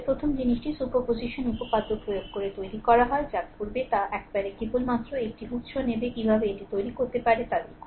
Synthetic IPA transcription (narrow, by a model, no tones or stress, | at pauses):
pɾot̪ʰomd͡ʑiniʃʈisupopod͡ʑiʃonupopad̪ːopɾojoɡ̚koɾet̪ojɾikɔɾaɦɔed͡ʑatkuɾbet̪aʔɛkbaɾekɾibulmat̪ːɾoek̚ʈiut̪ʃʰonebekibʱabeeʈit̪ojɾikoɾt̪epaɾet̪ad̪eɾ